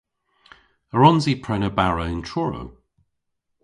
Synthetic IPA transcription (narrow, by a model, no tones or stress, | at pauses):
əɹɔnzipʰɹ̥ɛnəbaɹəʊɪ̃ntʰɹ̥ɔɹə̰ʊ